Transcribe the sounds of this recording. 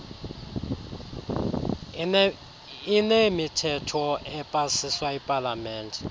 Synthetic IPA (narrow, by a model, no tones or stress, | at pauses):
inemitʰɛtʰɔɛpʼasiswaɛpʼalamɛːntʼɛ